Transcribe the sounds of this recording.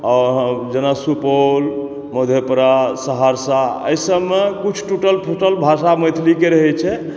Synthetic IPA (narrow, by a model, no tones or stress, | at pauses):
ɔɦd͡ʒenasupol | məd̪ʱepɾasəɦaɾsaə̰jsəbːekut͡ʃʰʈuʈəlpʰoʈəlbʱasaməjt̪ʰlikeɾəɦɛt͡ʃʰɛ